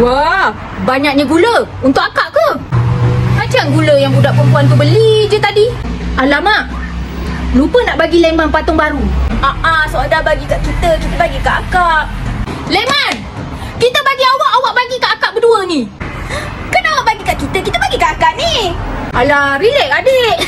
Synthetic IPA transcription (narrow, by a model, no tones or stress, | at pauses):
wa | baɲak̚ɲaɡulə | unt̪ʊʔakaʔkə | mat͡ʃaŋɡuləjaŋbudaʔpəmpuant̪̬ubəlid͡ʒət̪adialama | lupənaʔbaɡilemanpat̪ʊŋbaɾuaʔasoadabaɡikaʔkit̪əkit̪əbaɡikaʔakaʔleman | kit̪əbaɡiawaʔawaʔbaɡikaʔakaʔbəduəni | kənawabaɡikaʔkit̪əkit̪əbaɡikaʔakaʔnialaɾilɛʔadeʔ